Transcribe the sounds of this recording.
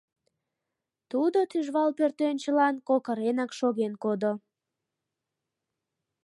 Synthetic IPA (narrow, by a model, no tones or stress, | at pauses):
t̪ud̪ot̪yʒβɑlpørt̪ønt͡ɕəlɑnkokəɾenɑkʃoɣenkod̪o